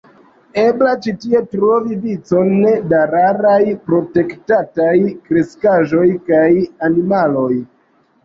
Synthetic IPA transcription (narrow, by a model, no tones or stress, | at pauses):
e̞blat͡ʃitie̞tɾo̞vivit͡so̞nːedaɾaɾajpɾo̞te̞ktatajkɾe̞skaʒo̞jkajanimalo̞j